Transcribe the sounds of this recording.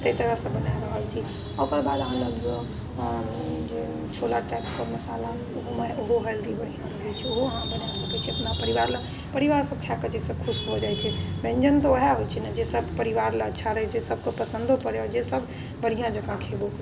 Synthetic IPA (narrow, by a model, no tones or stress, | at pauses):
t̪əit̪əɾəɦsə̃bənajɾəɦəlt͡ʃʰi | okɾbad̪ə̃ləɡ | d͡ʒe | t͡ʃʰolaʈɛpkəmɐsaːla | oɦoməoɦoɦɛld̪ibəɽ̤ijãt̪əɦɛt͡ʃʰioɦoəɦãbənasəkɛt͡ʃʰiəpnapəɾiʋaɾlə | pəɾiʋaːɾsəb̚kʰakət͡ʃesəb̚kʰʊsɦod͡ʒaːjt͡ʃʰɛbɛ̃ɲd͡ʒənt̪ɔoɦaɦot͡ʃʰinɛd͡ʒesəbpəɾiʋaɾlətːʃʰaɾəɦɛd͡ʒesəb̚ʱkepəsə̃nd̪ʱopəɾeɔɾd͡ʒesəbʱ | bəɽ̤ijãd͡ʒəkãkʰebo